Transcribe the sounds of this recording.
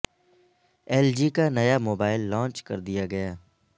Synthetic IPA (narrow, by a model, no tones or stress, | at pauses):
ɛːld͡ʒiːkanɐjamoːbaːɪlːɔ̃ːnt͡ʃkɐ̰ɾd̪ijaɡɐjaː